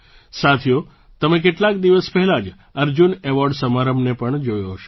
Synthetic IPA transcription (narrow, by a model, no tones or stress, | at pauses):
sat̪ʰijo | t̪əmẽk̬eʈlakd̪iʋəspɛɦɛlad͡ʒ | əɾd͡ʒuneʋɔɾɖsəmaɾəmnepəɳd͡ʒojoɦəʃe